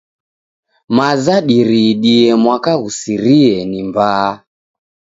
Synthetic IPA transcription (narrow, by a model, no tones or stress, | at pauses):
mazaɗiɾiɗiɛmwakaɣusiɾiɛnimba